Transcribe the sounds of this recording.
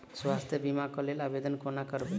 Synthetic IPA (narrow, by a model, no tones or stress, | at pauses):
swast̪ʰjəbimakɔlelabed̪ənkonakəɾbe